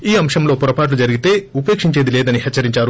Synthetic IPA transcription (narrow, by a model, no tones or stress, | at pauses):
iːɐmʂɐmlo̞ːpuɾɐpaːʈ̬lud͡ʒɐɾiɡit̪e̞ːupe̞ːkʂiɲt͡ʃeːd̪ileːd̪ɐniɦɛt͡ʃːɐɾiɲt͡ʃaːɾu